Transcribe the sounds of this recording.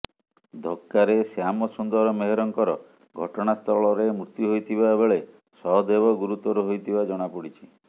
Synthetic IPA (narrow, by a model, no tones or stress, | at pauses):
d̪ʱɔkːaɾesamɔsund̪ɔɾɔmeɦeɾɔŋkɔɾɔ | ɡʱɔʈɔɽ̃ast̪ʰɔɭɔɾemɾut̪juɦojt̪ʰiβabeɭe | sɔɦɔd̪ebɔɡuɾut̪ɔɾuɦojt̪ʰibad͡ʒɔɽ̃apuɽit͡ʃʰi